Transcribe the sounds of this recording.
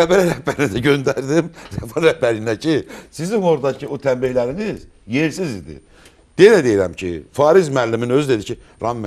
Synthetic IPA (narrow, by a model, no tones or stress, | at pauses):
æbæɾɾæhbæɾinid̪æɟø̞nd̪æɾd̪imɾɛfonɾæhbæɾinæcʰisizimo̞ɾd̪ɑcʰiot̪ʰæmbiçlæɾiniz | je̞ɾsizid̪ḭ | d̪̥elæd̪ejiɾæ̰mcʰḭfɑːɾizmælːiminø̞zyd̪e̞d̪icʰi | ɾɑmː